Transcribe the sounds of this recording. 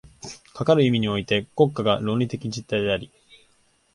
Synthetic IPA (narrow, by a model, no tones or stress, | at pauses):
kʰakaɾɯ̟imʲiɲ̟io̞it̪e̞ko̞kːaɡaɾo̞ːɾʲit̪e̞kʲid͡ʑit̪ːaid̪e̞aɾʲi